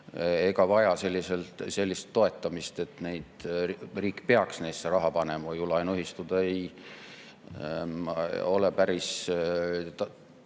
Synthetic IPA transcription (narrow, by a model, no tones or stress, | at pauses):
eɡ̥ɑvɑjɑse̞lʲːise̞lt̪se̞lʲːist̪ːo̞e̞t̪ːˑɑmist̪e̞t̪ne̞jd̪̥riːkːˑpe̞ɑksne̞ːseɾɑɦɑpɑne̞mɑvujulɑjnyɦist̪ud̪̥ɑej | o̞lepæɾis | t̪ɑ